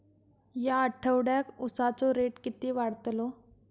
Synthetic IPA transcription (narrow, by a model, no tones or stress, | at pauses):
jaəʈʰəʋɽjakusat͡soɾeʈkit̪iːʋaɽt̪lɔ